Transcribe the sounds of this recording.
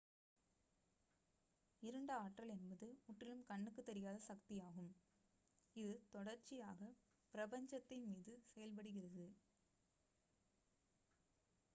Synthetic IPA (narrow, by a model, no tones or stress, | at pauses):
ɪɾɐɳɖɯaːʈrɐlɛnbɐðɯʊʈːɪlɯmkɐɳːɯkːɯt̪ːɛɾɪjaːðɐsɐkt̪ɪjaːɣɯm | ɪðɯt̪ɔɽɐɾt͡ʃɪjaːɣɐ | pɪɾɐbɐɲd͡ʒɐt̪ːɐɪmiːðɯsɛjɐlp̬ɐɽɯɣɪrɐðɯ